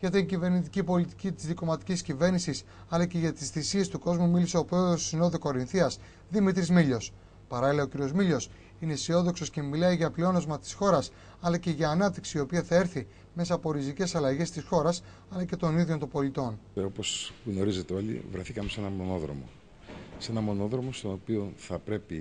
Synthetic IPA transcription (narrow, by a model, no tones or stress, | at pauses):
ʝɐt̪iɲcive̞ɾnit̪icipo̞lit̪i̥cit̪i̥zðiko̞mɐt̪i̥cʲiscive̞ɾnisis | ɐlɐce̞ʝɐt̪isθisie̞st̪uko̞zmumilise̞opɾoosino̞ðoko̞ɾinθiɐs | ðimit̪ɾizmiʎo̞s | pɐɾɐlileociɾio̞zmiʎo̞s | ine̞sio̞ðo̞kso̞sce̞milɐiʝɐplio̞nozmɐt̪i̥sxo̞ɾɐs | ɐlɐce̞ʝɐːnɐp̚t̪iksiːo̞piɐθɐe̞ɾθi | me̞sɐpo̞ɾizice̞sɐlɐʝe̞st̪isxo̞ɾɐs | ɐlɐce̞t̪o̞niðʝo̞nt̪obo̞lit̪o̞no̞po̞sɣno̞ɾize̞t̪eo̞lḭvɾeθikɐmese̞nɐmo̞no̞ðɾo̞̰mo̰ | se̞nɐmo̞no̞ðɾo̞mo̞st̪onopio̞θɐpɾe̞pi